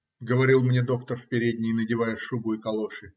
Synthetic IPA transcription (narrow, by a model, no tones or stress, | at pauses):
ɡəvɐɾʲilˠmnʲe̞d̪o̞kt̪ərfpʲɪɾʲedʲnʲɪjnədʲɪvajəʂubʊɪkɐlˠo̞ʂɨ